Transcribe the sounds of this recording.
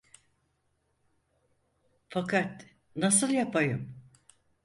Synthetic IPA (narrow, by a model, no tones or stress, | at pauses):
fakʰat̪ | nasɯlˠjapʰajɯm